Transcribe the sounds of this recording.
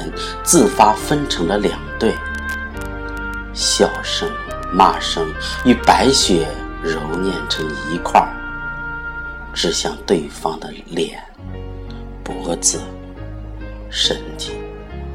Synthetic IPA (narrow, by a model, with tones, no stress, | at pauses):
ə˧˥n | t͡sɹ̩˥˩fa˥fə˥nʈ͡ʂʰɤ˧˥ŋd̪ə˧ljɑ˨˩ŋt̪we˥˩ɪ | ɕjɑ˥˩ʊʂɤ˥ŋ | ma˥˩ʂɤ˥ŋy˥˩pa˧˥ɪɕɥɛ˧˥ɻʊ˧˥ʊnjɛ˥˩nʈ͡ʂʰɤ˧˥ŋi˧˥kʰwa̰˥˧˩ | ʈ͡ʂɻ̩˥˧ɕjɑ˥˧ŋt̪we˥˩ɪfɑ˥ŋd̪ə˨˩ljɛ˨˩˦n | pɔ˧˥t͡sɹ̩˥˩ | ʂə˧˥nt͡ɕi˥˩ŋ